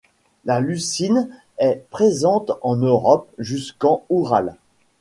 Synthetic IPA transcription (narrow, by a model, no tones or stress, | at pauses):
lalysin | ɛpχezɑ̃t̪ɑ̃nøʁɔp̚ʒyskɑ̃uʁal